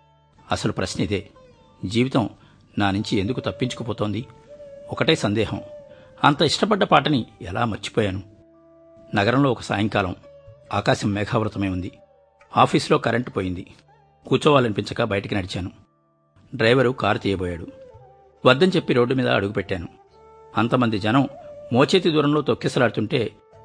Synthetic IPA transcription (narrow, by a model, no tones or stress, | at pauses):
ɐsɐlupɾɐsnit̪eː | d͡ʒiːʋit̪ɐm | naːnuɲt͡ʃiend̪ukut̪ɐpːiɲt͡ʃu̥kopɔːt̪o̞ːnd̪iɔkɐʈeːsɐnd̪ɛːɦɐ̰mɐnt̪ɐiʂʈɐpɐɖːɐpaːʈɐniɛla̰ːmɐɾt͡ʃi̥pɔːjaːnu | nɐɡɐɾɐmlo̞ːɔkɐsa̰ːjɐŋkaːlɐ̰maːkaːsɐmːɛːɡʰaːʋɾut̪ɐme̞ːund̪i | aːpʰiːslo̞ːkɐɾʔeɳʈpoːjind̪i | kuːt͡ʃɔːʋaːlɐnipiɲt͡ʃɐkɐbɐjɐʈɐkinɐɽit͡ʃaːnu | ɖɾɐjʋɐɾukaːɾt̪iːjɐbɔːjaːɽu | ʋɐd̪ːɐɲt͡ʃe̞pːiɾo̞ːɖːumiːd̪ɐ̰ɐ̰ɽuɡupɛʈːaːnu | ɐnt̪ɐmɐnd̪id͡ʒɐnɐmmoːt͡ʃeːt̪id̪uːɾɐmlo̞ːt̪okːist̪ɐlaːɽut̪uɳʈe̞ː